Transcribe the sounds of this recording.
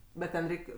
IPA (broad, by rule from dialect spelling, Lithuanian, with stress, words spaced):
ˈbʲɛt tʲɛn ˈrʲɛɪkʲ